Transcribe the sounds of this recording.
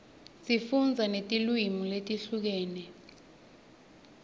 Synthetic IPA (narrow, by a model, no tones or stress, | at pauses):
sʼifund͡zʱanetʼilwimuletʼiɬuk̬ɛːnɛ